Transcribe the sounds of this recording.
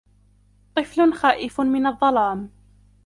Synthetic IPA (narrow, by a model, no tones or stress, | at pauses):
t̪ˤɨflʊnxaːʔɪfmɪnɑðˤːɑlaːm